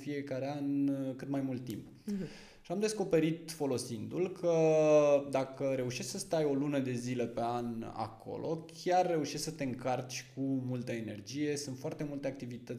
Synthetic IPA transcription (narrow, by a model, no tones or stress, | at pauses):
fije̞kaɾe̞ankɨt̪majmult̪ːimp | ʃiamd̪e̞sko̞pe̞ɾit̪fo̞lo̞sind̪ulkʰə | d̪akəɾe̞uʃeʃsəst̪ajo̞lunəd̪e̞zile̞pe̞ana̰kʰo̞̰lʔo̞̰kʲarːe̞uʃesksət̪e̞ɨŋkart͡ʃʲkʰumult̪əe̞ne̞rd͡ʒije̞sɨnt̪foart̪e̞mult̪e̞ak̚t̪ivit̪ət̪sʲ